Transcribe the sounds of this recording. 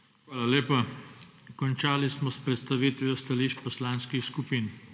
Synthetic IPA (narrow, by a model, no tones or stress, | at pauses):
xʋaːlaleːpa | kɔnt͡ʃaːlismɔspɾɛt̪st̪aʋiːt̪ʋiɔst̪aliːʃpɔslanskixskupiːn